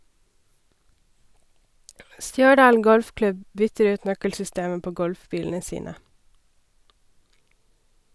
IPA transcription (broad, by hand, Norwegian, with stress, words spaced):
ˈstjœˌɖɑːl ˈɡɔlfˌklʉb ˈbʏtəɾ ˈʉːt ˈnœkəlsʏˌsteːəm ˈpoː ˈɡɔlfˌbiːln̩ə ˈsiːnə